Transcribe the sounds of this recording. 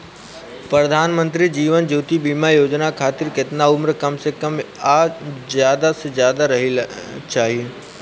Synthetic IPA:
pɾɐd̪ʱaːnmə̃nt̪ɾid͡ʒiːʋənd͡ʒuːt̪ibiːmajoːd͡ʒnakʰaːt̪ɪɾkɪt̪naʊmɾkɐmsekəmaːzjaːd̪asezjaːd̪aɾɐɦit͡ʃaːɦie

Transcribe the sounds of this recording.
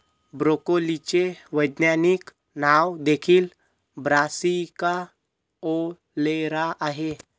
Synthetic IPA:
bɾoːkolit͡ʃeʋəjd̪njanik | naːwd̪eːkʰil | bɾaːsika | o | leɾaʔaɦe

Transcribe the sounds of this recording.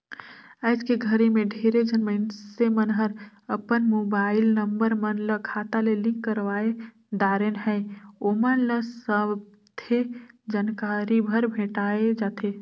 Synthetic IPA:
əɪskeɡʱəɾemẽɖʱeɾed͡ʒənməɪnsemənɦəɾ | əpənmobaːɪlnəmbəɾmənləkʰat̪alelɪ̃ŋkːəɾʋae | d̪aːɾenɦɛomənləsəb | t̪ʰed͡ʒaːnkaːɾibʱəɾbʱẽːʈaed͡ʒaːt̪ʰe

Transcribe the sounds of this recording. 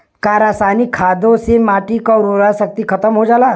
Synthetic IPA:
kaɾasanikʰaːd̪õsemaːʈikaɾoɾasək̚t̪ikʰət̪əmɦod͡ʒaːlaː

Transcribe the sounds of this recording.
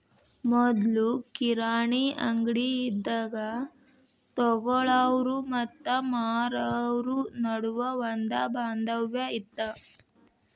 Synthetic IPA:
mɔd̪lukiɾaːɳiɐŋɡɽiːd̪ːaːɡɐ | t̪ɔɡɔɭaʋɾumɐt̪ːɐmaːɾaʋɾunɐɽuʋɐʋɐnd̪ɐbaːnd̪ɐʋjɐit̪ːɐ

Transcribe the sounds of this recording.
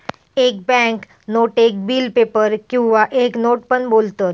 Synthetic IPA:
eːk̚bɛ̃ŋk | noːʈeːk̚biːlpeːpəɾkĩʋaʔeːknoːʈ̚pənboːlt̪ə

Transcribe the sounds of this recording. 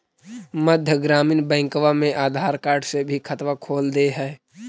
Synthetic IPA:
məd̪ʱjəɡɾaːmiːnbɛ̃ːŋkwamẽʔaːd̪ʱaːɾkaːɾɖsebʱikʰət̪wakʰoːld̪eɦɛː

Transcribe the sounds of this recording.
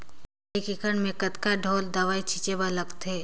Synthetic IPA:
eːkɪkəɳmẽkət̪kaɖʱoːld̪aʋaːit͡ʃʰit͡ʃebaləɡt̪ʰeː

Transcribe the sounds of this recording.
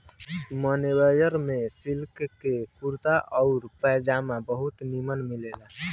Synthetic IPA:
mənewəjəɾmesilkkekuɾt̪aʔɔʊɾpɛd͡ʒamabəɦut̪nimənmilela

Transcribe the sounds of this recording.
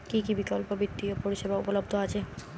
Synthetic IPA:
kikibikɔlpobit̪ːiopoɾiʃebaupolobd̪ʱoat͡ɕʰe

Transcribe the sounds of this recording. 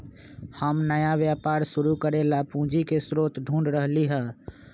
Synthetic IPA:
həmnəjaʋjaːpaːɾʃʊɾukəɾelapũːd͡ʒikesɾoːt̪ɖʱũːɳɖɾəɦliɦɛ̃ː

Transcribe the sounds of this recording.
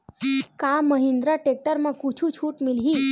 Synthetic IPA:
kaməɦĩnd̪ɾaʈek̚ʈəɾmãkut͡ʃʰũt͡ʃʰuʈmɪlɦi

